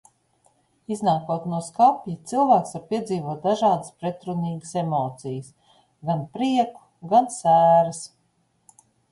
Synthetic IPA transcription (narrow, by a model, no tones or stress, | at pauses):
iznaːkuɔt̪nuɔskapʲjit̪silˠvæːksvaɾpʲiɛd̪ziːvuɔt̪̚d̪aʒɑːd̪əspɾet̪ɾuniːɡəsemɔːt̪sijəs | ɡanpɾiɛku̥ɡansæːɾəs